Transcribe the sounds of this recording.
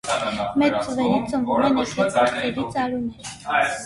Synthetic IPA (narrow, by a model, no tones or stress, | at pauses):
mɛt͡st͡səvɛɾit͡səɱvumɛnɛsɛɔɾt̪ɛɾit͡sɑɾunɛɾ